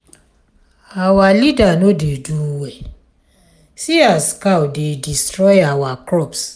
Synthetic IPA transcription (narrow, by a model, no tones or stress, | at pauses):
awalidanodeduwe | siaskawdedistɾɔjawakɾɔps